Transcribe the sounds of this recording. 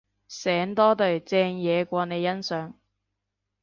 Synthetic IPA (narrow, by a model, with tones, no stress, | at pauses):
sɛː˨˥ŋt̪ɔː˥t̪ɵ˨˩ɥt͡sɛː˧ŋjɛː˨˧kʷɔː˧ne˨˧jːɐ˥nsœː˨˥ŋ